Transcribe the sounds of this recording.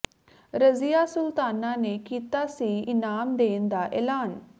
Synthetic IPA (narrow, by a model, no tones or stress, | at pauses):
ɾəzijaːsʊlt̪aːnaːneːkiːt̪aːsiːɪnaːmd̪eːnd̪aːʔɛːlaːn